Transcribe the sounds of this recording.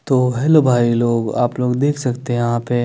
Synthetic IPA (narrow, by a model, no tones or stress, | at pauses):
t̪oɦɛlobʱaːiloːɡa̰ːploːɡd̪eːkʰsɐkt̪eɦjɐɦãpe